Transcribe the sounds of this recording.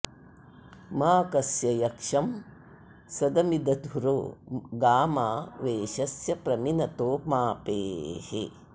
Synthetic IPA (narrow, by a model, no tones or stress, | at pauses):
maːkɐsjɐjɐkʂɐm | sɐd̪ɐmid̪ɐd̪ʱuɾo̰ːɡaːmaːʋeːʃɐsjɐpɾɐminɐt̪oːmaːpeːhḛ